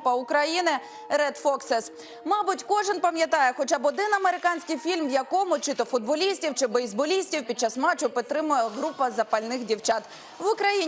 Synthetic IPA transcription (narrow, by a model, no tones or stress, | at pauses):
pɐʊkɾɐjinɪ | ɾɛd̪fɔksɛs | mɑbʊtʲkɔʒɪnpɐmjɐt̪ɑjɛxɔt͡ʃɑbɔd̪ɪnɐmeɾɪkɑnʲsʲkɪjfʲilʲmjɐkɔmʊt͡ʃɪt̪ɔfʊd̪̚bɔlʲisʲtʲiwt͡ʃɪbɛizbɔlʲisʲtʲiwpʲid̪̚t͡ʃɑsmɑt͡ʃʊpɪt̪ɾɪmʊjɛɦɾupɐzɐpɐlʲnɪxdʲiwt͡ʃɑt̪ | ʋʊkɾɐji